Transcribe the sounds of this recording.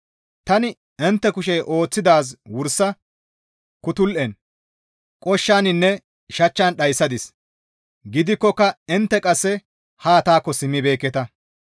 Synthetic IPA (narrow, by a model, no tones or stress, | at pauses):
t̪ɐnɪ | ɛnt̪ːɛkʊʃɛjʔo̞ːt͡sːɪd̪aːs̬wʊɾsːɐ | kʊt̪ʊlʔɛn | kʼɔʃːaːnɪnːɛ | ʃɐt͡ʃːɐnɗɐjsːɐd̪ɪs | ɡɪd̪ɪkːɔkːɐɪnt̪ːɛkʼɐsːɛ | haːt̪aːkːɔsɪmːɪbe̞ːkːɛt̪ɐ